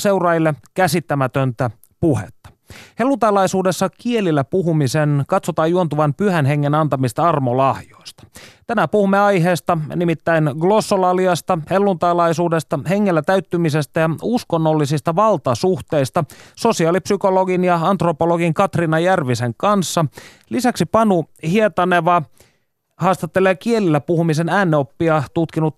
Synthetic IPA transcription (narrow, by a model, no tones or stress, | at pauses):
se̞wrɑjilːekæsit̪ːæmæt̪ønt̪æ | puhḛt̪ːɑ̥ | he̞lːunt̪ɑlɑjsuːde̞sːɑkie̞lilːæpuɦumisenkɑt̪sot̪ɑːjuo̞nt̪uʋɑnpyhenɦe̞ŋːenɑnt̪ɑmist̪ɑɑrmolɑhjo̞jst̪ɑ̥t̪ænæpuhumːeɑjɦeːst̪ɑnimit̪ːæinɡlo̞sːolɑliɑst̪ɑhelːunt̪ɑlɑisuːdest̪ɑhe̞ŋːelːæt̪æyt̪ːymisest̪æjɑuskonːolːisist̪ɑʋɑlt̪ɑsuht̪eist̪ɑso̞siɑːlipsyko̞lo̞ɡinjɑɑnt̪ropoloɡiŋkɑt̪rinɑjærʋiseŋkɑnsːɑ | lisæksipɑnuhiet̪ɑneʋɑ | hɑːst̪ɑt̪ːeleːkie̞lilːæpuhumisenæːnːeo̞pːiɑt̪ut̪kinut̪